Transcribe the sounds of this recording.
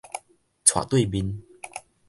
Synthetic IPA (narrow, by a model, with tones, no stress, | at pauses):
t͡sʰwa̰˨t̪we˥˧bi˧n